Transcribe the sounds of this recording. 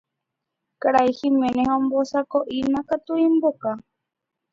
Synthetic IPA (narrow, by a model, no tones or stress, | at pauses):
kaɾaihimẽnẽhõmbosakoʔinãkat̪uimboka